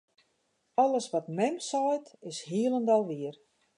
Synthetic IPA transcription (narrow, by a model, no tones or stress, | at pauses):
ɔləsʋɔtmɛnsɔjtɪshiəlˠəndɔlˠʋiər